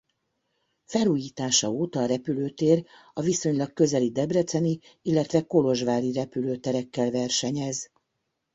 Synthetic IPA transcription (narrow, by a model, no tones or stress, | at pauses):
fɛluːjiːt̪aːʃɒoːt̪ɒːɾɛpyløːt̪eːrɒviso̞ɲlɒkkø̞zɛlid̪ɛbrɛt̪sɛni | ilːɛt̪ʋɛko̞lo̞ʒvaːɾiɾɛpyløːt̪ɛɾɛkːɛlvɛrʃɛɲɛz